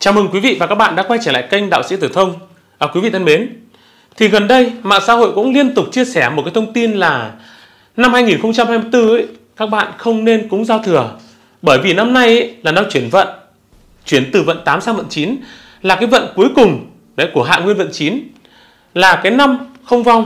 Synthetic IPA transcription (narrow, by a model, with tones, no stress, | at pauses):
t͡ɕaː˨˦wmɨ˨˧˩ŋkwi˨˦vḭ˧˨vaː˨˩kaː˦˥k̚ɓa̰ː˧˨ɗaː˧˥kwa˧jt͡ɕa˧˩laː˧˨jkə˧jŋ̟ɗa̰ː˧˨wsḭ˧˥t̪ɨ˨˧˩t̪ʰə˧wŋ͡m | ʔːkwi˨˦vḭ˧˨t̪ʰə˧nɓe˨˦n | t̪ʰi˨˩ɣə˨˩nɗə˧jma̰ː˧˨ŋsa̰ː˧˥ho̰˧˨jkʊ̰˧˥ŋ͡mli˧ənt̪ʊ˨˩k͡p̚t͡ɕi˧əsɛ˧˩mo˨˩t̚ka˨˦t̪ʰə˧wŋ͡mt̪i˧nlaː˨˩ | na˧mhaː˧jŋi˨˩nxə˧wŋ͡mt͡ɕa˧mhaː˧jmɨ˧əjt̪ɨ˧ʔə˧˦˥jkaː˦˥k̚ɓa̰ː˧˨nxə˧wŋ͡mne˧nkʊ̰˧˥ŋ͡mzaː˧wt̪ʰɨ˨˩ə | ɓəː˧˩jvi˨˩na˧mna˧jʔə˧˦laː˨˩na˧t͡ɕwi˧˩ənvə̰˧˨n | t͡ɕwi˧˩ənt̪ɨ˨˩və̰˧˨nt̪aː˨˦msaː˧ŋvə̰˧˨nt͡ɕi˨˦n | laː˨˩kaː˨˦jvə̰˧˨nku˨˦əjkʊ˨˩ŋ͡m | ɗḛ˧˥ku˧˩əɦa̰ː˧˨ŋwi˧ənvə̰˧˨nt͡ɕi˨˦n | laː˨˩kaː˨˦jna˧mxə˧wŋ͡mva˧wŋ͡m